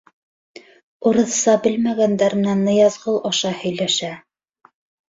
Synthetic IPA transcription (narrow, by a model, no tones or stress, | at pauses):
ŏɾɤ̆θsɑbɘlmæɡænd̪æɾmɘ̆nænːɤ̆jɑzʁɤlˠɑʃɑhɵ̆jlæʃæ